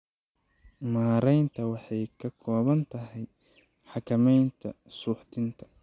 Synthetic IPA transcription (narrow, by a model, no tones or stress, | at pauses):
maːɾɛjnt̪ʰɐwɑħɑjkʰɐkʰɔːβɐnt̪ʰɐɦɛj | ħɑkʰɐmɛjnt̪ʰɐsuːħt̪ʰɪnt̪ʰɐ̥